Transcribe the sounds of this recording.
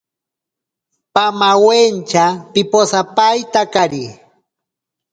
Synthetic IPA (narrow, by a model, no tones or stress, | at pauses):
pamawent͡ʃapɪposapajt̪akaɾi